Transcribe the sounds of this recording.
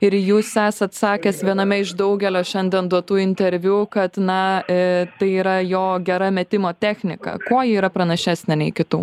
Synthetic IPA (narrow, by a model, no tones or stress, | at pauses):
ɪɾjuːsæːsɐt̪sɑːkʲɛsʋʲiɛnɐmʲɛɪʒd̪ɐʊɡʲɛlʲoːʃʲɛnʲd̪ʲɛnd̪uɔt̪uːɪnʲt̪ʲɛɾʲʋʲuːkɐt̪nɐ | t̪ɐɪiːɾɐjoːɡʲɛɾɐmʲɛt̪ʲɪmoːt̪ʲæːxʲnʲɪkɐ̰koːjiiːɾɐpɾɐnɐʃʲæːsʲnʲɛnʲɛɪkʲɪt̪uː